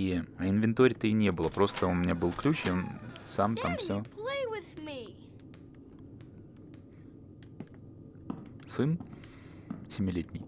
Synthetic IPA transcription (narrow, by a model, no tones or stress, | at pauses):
ɐɪnvʲɪnt̪oɾʲɪt̪əiɪnʲe̞bɨlˠəpɾo̞st̪əʊmʲɪnʲabɨlˠklʲut͡ɕjonsamt̪amffsʲopʰleɪwɪðmi | sɨn | sʲɪmʲɪlʲetʲnʲɪj